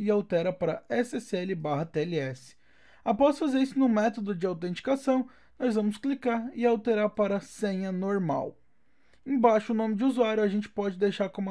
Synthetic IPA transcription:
ɪawt̪ɛɾɐpaɾɐɛsɪɛsɪɛlɪbaɦɐt̪eɛliɛsɪ̥ | apɔsfazeɾisʊnʊ̃mɛt̪od̪ʊd͡ʒɪawt̪ẽnt͡ʃi̥kasɐ̃w̃ | nɔzvɐ̃mʊsklikaɾɪawt̪eɾaɾpaɾɐsẽɲɐnoɾma̰w | ẽj̃baʃʊʊnõmɪd͡ʒɪuzuaɾjʊaʒẽnt͡ʃɪ̥pɔd͡ʒɪd̪ejʃaɾkõm

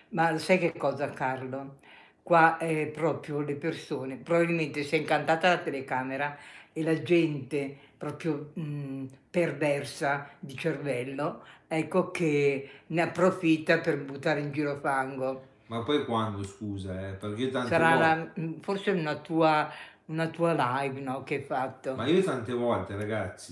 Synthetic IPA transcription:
malosajkekːɔːzakarlo | kwaɛpɾɔːpɾjolepersoːnepɾobabilment̪esɛjiŋkant̪aːt̪alat̪elekaːmeɾaelad͡ʒɛnt̪epɾɔːpɾjo | pervɛrsad̪it͡ʃervɛlːoɛkːok̟eneapːɾofit̪ːaperbut̪ːaːɾeind͡ʒiːɾoafaŋɡo | mapːɔjkwand̪oskuːzaɛperk̟et̪ansaɾalaforseunat̪uːa | unat̪uːalajvnɔk̟eɛjfat̪ːomaiːot̪ant̪evɔlt̪eɾaɡat̪sːi

